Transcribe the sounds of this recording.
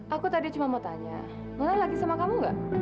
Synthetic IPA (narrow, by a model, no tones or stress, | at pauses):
ʔakut̪adit͡ʃumanmat̪aɲa̰ | manalaɡisamakamuŋɡa̰ʔ